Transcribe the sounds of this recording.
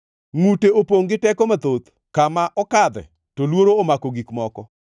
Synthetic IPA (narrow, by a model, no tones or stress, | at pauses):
ŋuteopoŋɡɪtɛkɔmat̪ot̪ | kamaʔɔkad̪ɛ̰ | tolwoɾoːmakoɡikmɔkɔ